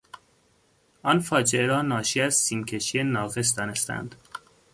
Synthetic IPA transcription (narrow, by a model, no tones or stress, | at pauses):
ɒnfɒːd͡ʒeeɾɒːnɒːʃiæzsiːmcʰe̞ʃienɒːɣe̞s̬d̪ɒːne̞st̪ʰæ̰nd̪̥